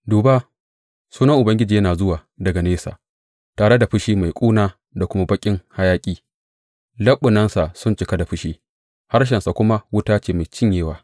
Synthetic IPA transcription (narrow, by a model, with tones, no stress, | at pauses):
duː˨baː˦ | suː˦nɐ˦ŋʔʊ˨bɐ˦ŋɡʲɪ˦d͡ʒiː˨jɐ˦naː˨zʊ˦waː˨ | dɐ˨ɡa˨neː˦sa̰ː˨ | taː˨ɽe˦da˨ɸʊ˦ʃiː˦ma˨jkʷʼuː˦naː˦ | da˨kʷʊ˦ma˦bɐ˦kʲʼɪ˦ŋha˦jaː˦kʲʼiː˦ | lɐ˦ɓːʊ˨nɐ˦nsa˨ʔsʊ˦˨nt͡ʃɪ˨ka˦da˨ɸʊ˦ʃiː˦ | ha˦ɾʃ̬ɛ˨nsa˨kʷʊ˦ma˦wʊ˦taː˦t͡ʃeː˨ma˨jt͡ʃɪ˦ɲjeː˦waː˨